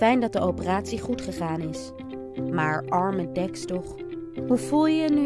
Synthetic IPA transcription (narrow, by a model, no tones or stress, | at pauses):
ɛjndɑt̚dəowpəraːtsiχutχəχaːnɪs | maːɹʔɑɹmədɛkstɔχ | ɦuvulˠjəəny